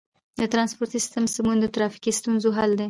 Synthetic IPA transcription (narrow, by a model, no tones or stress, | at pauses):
d̪ət̪ɾɑnspoɾt̪isɪ̥st̪əmsəmund̪ət̪ɾɑfi̥kist̪unzoɦald̪e